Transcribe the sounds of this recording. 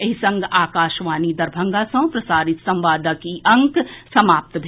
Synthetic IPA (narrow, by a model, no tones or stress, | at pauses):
ɐɦisɐ̃ŋɡaːkaːʃʋaːnid̪ɐɾbʱɐ̃ŋɡaːsɐ̃w̃pɾɐsaːɾɪt̪sɐ̃mʋaːd̪ʱəkiʔɐ̃ŋksɐmaːp̚t̪bʱ